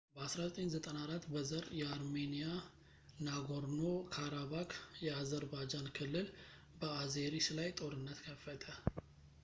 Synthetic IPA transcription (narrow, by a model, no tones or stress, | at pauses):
bəasɾazət̪ʼeɲzət̪ʼənaɾat̪ːbəzəɾjɛaɾme̞nija | naɡoɾno̞kʰaɾaβakjɛazəɾbad͡ʒankʰɨlːɨl | bəaze̞ɾislajt̪ʼo̞ɾɨnːət̪kʰəfːət̪ʰə